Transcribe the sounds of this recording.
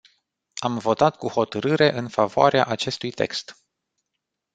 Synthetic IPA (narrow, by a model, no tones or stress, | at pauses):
amvo̞t̪at̪kuho̞t̪əɾɨɾe̞ʔɨnfavoaɾea̰ʔat͡ʃe̞st̪ujt̪e̞̰kst̪